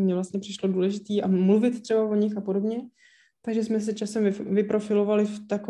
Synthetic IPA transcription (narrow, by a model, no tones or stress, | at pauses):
mɲɛvlast̪ɲɛpr̝̥ɪʃlo̞duːlɛʒɪt̪iːʔamluvɪt̪t̪r̥ɛbavo̞ɲɪxapo̞do̞bɲɛ | t̪aɡʒɛsmɛs̬ɛt͡ʃasɛmvɪpɾo̞fɪlo̞valɪft̪ako